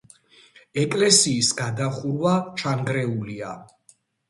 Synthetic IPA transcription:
ɛkʼlɛsiːsɡad̪aχuɾwat͡ʃʰaŋɡɾɛulia

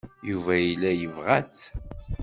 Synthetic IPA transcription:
juvæjilːæjəvʁæt͡s

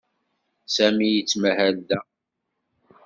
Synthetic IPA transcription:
sæmijət͡sːməhæld̪æ

